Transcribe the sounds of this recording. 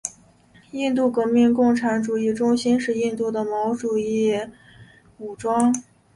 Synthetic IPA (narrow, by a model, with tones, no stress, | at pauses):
i˥˧nt̪̬u˥˩kɤ˧˥mi˥˧ŋkʊ˥˩ŋʈ͡ʂʰa˧˥nʈ͡ʂu˨˩i˥˩ʈ͡ʂʊ˥ŋɕi˥nʂɻ̩˥˧i˥˧nt̪u˥˩d̪ə˩mɑ˧˥ʊʈ͡ʂu˨˩i˥˩ | u˨˩ʈ͡ʂwɑ˥ŋ